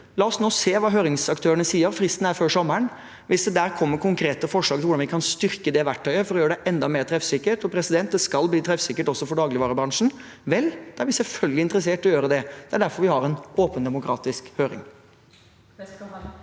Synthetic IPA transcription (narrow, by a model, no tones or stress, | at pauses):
lɑːɔsnoːseːʋɑːɦøːɾɪŋsɑkt̪ʰøːɾəɳəsiːəʋfɾɪst̪n̩æɾføːɾʂɔmːəɳ | ʋɪsd̪ɛd̪æːɾkʰɔmːəɾkʰʊŋkʰɾeːt̪əfɔʂɭɑːɡt̪ɪʋʊɖɑnʋɪkʰɑnst̪ʏɾkəd̪ɛʋæʈʰːœʏəfɔɾɔjøːɾəɖɛʔɛnd̪ɑmeːɾt̪ʰɾɛfsɪkːəʈɔpʰɾɛsɪd̪ɛnt̪̚d̪ɛskɑlbliːt̪ʰɾɛfsɪkːəʈɔsːɔfɔɖɑːɡlɪʋɑːɾəbɾɑŋʂn̩ | ʋɛld̪̥ɛæɾʋɪsɛlfœlɡəlɪnt̪əɾəs̬eːʈɔjøːɾəd̪ɛd̪̥ɛæɖæɾfɔɾʋɪhɑɾɛnoːpənd̪ɛmʊkʰɾɑ̰ːt̪ɪskhøːɾɪ̰ŋ